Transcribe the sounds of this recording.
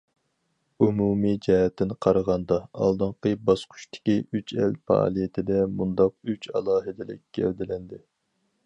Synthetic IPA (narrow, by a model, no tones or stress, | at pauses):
umumid͡ʒɛɦɛt̪ʰːɪnqʰɑɾəʁɑnd̪ɑɑ̰lˠd̪ɨɴqəbɑsqʰʊ̥ʃt̪ʰɪ̥kʲiyt͡ʃʰɛ̰lfɑ̰ɑ̰ːlˠijet̪ʰɪd̪ɛmund̪ɑq̚yt͡ʃʰɑ̰lˠɑːɦɨd̪ɪlɪ̰kʲkʲːʰɛ̰ld̪ɪlɛnd̪ɪ